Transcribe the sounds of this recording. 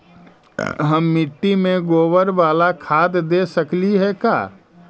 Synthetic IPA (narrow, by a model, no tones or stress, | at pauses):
ɦəmːɪʈːimẽɡoːʋəɾʋaːlakʰaːd̪d̪eːsəkliɦɛka̰ː